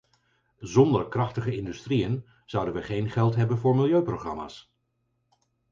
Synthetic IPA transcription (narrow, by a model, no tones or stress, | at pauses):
zɔndəɹkrɑχtəχəɪndystriən | z̥ʌwdənʋəχejnχɛlˠtɦɛbənvʊːɹmɪlˠjøɥprowχrɑ̰ma̰ːs